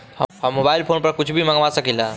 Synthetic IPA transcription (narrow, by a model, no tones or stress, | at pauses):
həhəmːobailpʰonpəɾkut͡ʃʰbʱiməɡʋasəkilã